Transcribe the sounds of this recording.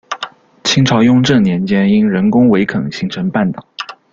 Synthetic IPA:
t͡ɕʰi˥ŋʈ͡ʂʰɑ˧˥ʊjʊ˥˧ŋʈ͡ʂɤ˥˩ŋnjɛ˧˥nt͡ɕjɛ˥ni˥nɻə˧˥nkʊ˥ŋwe˧˥ɪkʰə̰˨˩ŋɕi˧˥ŋʈ͡ʂʰə˧˥ŋpa˥˩nt̪ɑ˨˩˦

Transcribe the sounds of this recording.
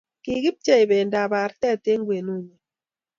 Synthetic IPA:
ki˨ɡi˦p̚t͡ʃa˦i˨be˨nda˨ba˨ɾtɛ˦te˦ŋɡwe˨nu˦ɲe˨

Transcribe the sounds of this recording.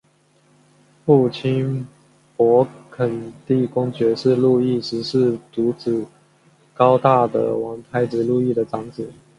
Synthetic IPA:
fu˥˩t͡ɕʰi˥n | pwɔ˧˥kʰə˨˩nt̪i˥˩kʊ˥ŋt͡ɕɥɛ˧˥ʂɻ̩˥˧lu˥˧i˥˩ʂɻ̩˧˥ʂɻ̩˥˩t̪u˧˥t͡sɹ̩˨˩ | kɑ˥ʊt̪a˥˩d̪ə̰˩wɑ˧˥ŋt̪ʰa˥ɪʈ͡ʂɻ̩˧˥lu˥˧i˥˩d̪ə˩ʈ͡ʂɑ˧˥ŋt͡sɹ̩˨˩˦

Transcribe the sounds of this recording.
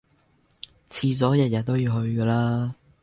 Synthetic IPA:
t͡sʰiː˧t͡sɔː˨˥jɐ˨t̚jɐ˨t̚t̪o˥wjiː˧wɦɵ˧ɥkɛː˧laː˥

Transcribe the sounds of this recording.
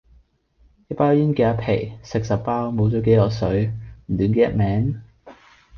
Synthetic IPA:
jpaː˥jiː˥nkɛ˨˧ɐ˧pʰe˨˩jsɪ˨k̚sɐ˨p̚paː˥wmo˨˥wt͡sɔː˨˥ke˨˥jlɔː˨˩sɵ˨˥ɥm̩˨˩t̪yː˨˥nke˨˧˥jɐ˥t̚mɛː˨˥ŋ

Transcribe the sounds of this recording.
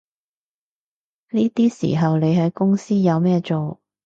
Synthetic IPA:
niː˥t̪iː˥sḭː˨˩ɦɐ˨wne˨˧jɦɐ˨˥jkʊ˥ŋsiː˥jɐ˨˧wmɛː˥t͡ʃo˨w

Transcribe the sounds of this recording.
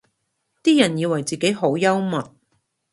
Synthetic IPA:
t̪iː˥jɐ˨˩njiː˧wɐ˨˩jt͡siː˨ke˨˥jɦo˨˥wjɐ˥wmɐ˨t̚

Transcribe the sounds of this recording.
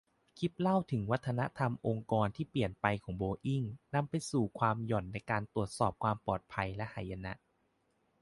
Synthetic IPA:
kʰi˦˥p̪̚la˥˩wt̪ʰɯ˩˦ŋwa˦˥t̪ʰːa˧na˦˥t̪ʰa˧mʔo˧ŋkɔː˧nt̪ʰiː˥˩pli˨˩ənpa˧jkʰɔː˩˦ŋboː˧ʔi˥˩ŋna˧mpa˧jsuː˨˩kʰwaː˧mjɔ˨˩nːa˧jkaː˧nt̪ɾu˨˩ət̪̚sɔː˨˩p̚kʰwaː˧mpɔː˨˩t̪̚pʰa˧jlɛ˦˥ʔhaː˨˩˦jːa˧na̰˦˥ʔ

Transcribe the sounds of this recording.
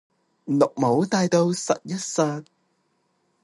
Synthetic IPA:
lʊ˨k̚mo˨˥wt̪aː˧jt̪o˧wsɐ̰˨t̚jɐ˥t̚saː˧t̚

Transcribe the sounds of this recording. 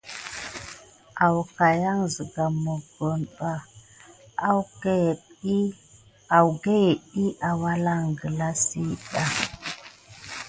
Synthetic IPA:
a˨wka˨ja˦ŋzi˨ɡa˨mo˨ɡo˨nɓa˦ | a˦w | a˨wɡe˦je˨ɗi˦a˨wa˦la˦ŋɡə˨la˦si˦ɗa˨

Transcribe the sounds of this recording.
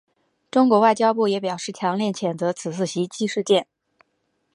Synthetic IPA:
ʈ͡ʂʊ˥ŋkwɔ˧˥wa˥˩ɪt͡ɕjɑ˥ʊpu˥˩jɛ˧˥pjɑ˨˩ʊʂɻ̩˥˩t͡ɕʰjɑ˧˥ŋljɛ˥˩nt͡ɕʰjɛ˨˩nt͡sɤ˧˥t͡sʰɹ̩˨˩t͡sʰɹ̩˥˩ɕi˧˥t͡ɕi˥ʂɻ̩˥˧t̪jɛ˥˩n

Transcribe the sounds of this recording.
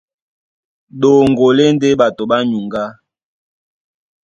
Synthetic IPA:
ɗo˨ŋɡo˨le˦n˦de˦ɓa˨to˨ɓa˦ɲu˨ŋɡa˦

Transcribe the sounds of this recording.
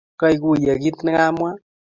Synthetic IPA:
kɔ˦i˨ku˦˨ja˨ki˦t̪nɛ˦ŋa˦mwa˦

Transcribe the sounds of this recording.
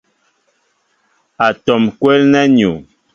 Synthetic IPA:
a˨tɔ˨mkwɛ˦lnɛ˦ɲu˨

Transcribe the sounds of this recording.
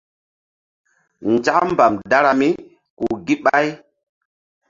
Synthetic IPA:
nd͡ʒa˦m˦ba˨mda˦ɾa˨mi˦ | ku˨ɡi˦ɓa˦j

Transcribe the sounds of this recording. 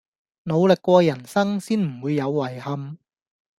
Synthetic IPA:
no˨˧wlɪ˨kːʷɔː˧jɐ˨˩nsɐ˥ŋsiː˥nm̩˨˩wuː˨˧jːɐ˨˧wːɐ˨˩jhɐ˧m

